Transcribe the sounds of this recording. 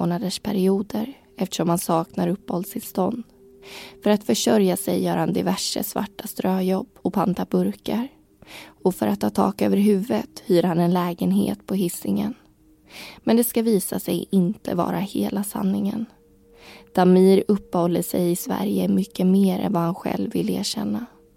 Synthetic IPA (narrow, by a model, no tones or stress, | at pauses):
oːnad̪əʂpʰæɾɪuːd̪əɾ | ɛft̪ə̥ʂɔmhansɑːknaɾɵpːhɔld̪st̪ʰɪlst̪ɔnd̪ | fœɾat̪fœʂœɾjasɛjːœːɾhand̪ɪvæʂə̰sva̰ʈːast̪ɾøːjɔbːɔpʰant̪abɵɾkaɾ | ɔfœɾat̪ʰːɑːt̪ʰɑ̰ːkøːvəɾɦʉ̟ːvət̪hyːɾhanɛnlɛːɡənɦḛːt̪pʰɔɦɪsːɪŋən | mɛnd̪ɛskaviːsasɛ̰jɪnt̪ʰəvɑ̰ːɾahḛːlasa̰nːɪŋən | d̪̥amiːɾɵpːhɔlːəʂɛjɪsvæ̰ɾjəmʏkːəmeːɾɛ̰nvahanɧɛ̰lvːɪlːeːɕɛnːa